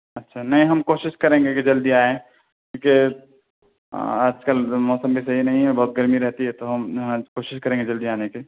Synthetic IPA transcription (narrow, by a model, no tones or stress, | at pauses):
ɐtːʃʰanɐɦĩɦɐmkoːʃɪʃkɐɾẽːŋɡekid͡ʒɐld̪iaːẽ | kĩːke | aːd͡ʒkəlmɔːsəmbʱisɐɦinɐɦĩɦɛbɔɦʊt̪̚ɡɐɾmiɾɛɦt̪iɦɛt̪oɦɐmɦkoːʃɪʃkɐɾẽːŋɡed͡ʒɐld̪iaːneke